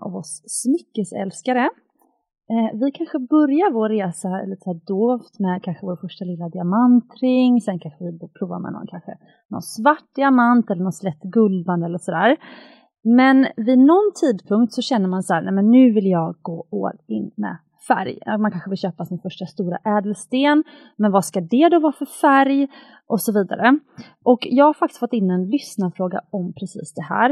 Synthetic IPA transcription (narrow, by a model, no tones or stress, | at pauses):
ʔɔ̰vɔsːmʏkːəsɛ̰lskaɾə | vɪkʰanɧəbœɾjaɾvoːeːsaliːt̪ə̥æːɖoːft̪mɛkʰanɧəvoːɾfœʂʈalɪlːad̪ɪamant̪ɾɪŋːsɛnkʰanɧəvɪbpʰɾuːva̰ɾmɛ̰nɔ̰nkʰanɧə̰ | nɔ̰nsvaʈːdɪamant̪ɛlːəɳɔnslɛt̪ːɡɵlvand̪əɛlːəʂɔd̪æːɾ | mɛnvɪnɔnt̪ʰiːd̪pʰɵŋkt̪sɔɕɛnːəɾmansahæːɾnɛmɛnːʉ̟ːvɪljɑːɡɡoːo̰ːlɪnːmɛ̰ | fæ̰ɾjmankʰanɧəvɪlɕøːpasɪnfœʂʈast̪uːɾa̰ʔɛːd̪əlst̪eːn | mɛnvaskad̪ɛd̪ɔvɑːɾfœɾfæɾj | ʔɔsɔviːd̪a̰ɾə | ʔɔkjɑːɡhaɾfak̚t̪ɪ̥st̪fɔt̪ːɪnːɛnlʏsnafɾoːɡa̰ɔmpʰɾɛsḭːsd̪ɛhæ̰ːɾ